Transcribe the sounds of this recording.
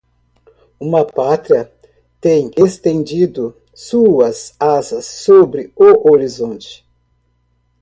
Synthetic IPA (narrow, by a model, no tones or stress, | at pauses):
ũmɐpat̪ɾiɐ | t̪ẽj̃est̪ẽnd͡ʒid̪ʊ | suɐsazɐsːobɾɪoʔoɾizõnt͡ʃɪ̥